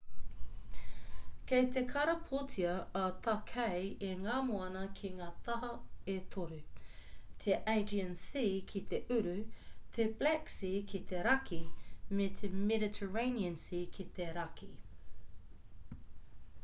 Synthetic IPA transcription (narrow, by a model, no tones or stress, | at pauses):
kejt̪ekʰɐɾɐpʰot̪ʰiɐɐt̪ʰɐkʰejeŋaːmoɐnɐkʰiŋaːt̪ʰɐɦɐet̪ʰoɾʉ | t̪ʰeʔeɪd͡ʒənsikʰit̪ʰeʔʉɾʉt̪ʰeblɛksikʰit̪ʰeɾɐkʰimet̪ʰemɛɾɪtʰəɹeniənsikʰit̪eɾɐki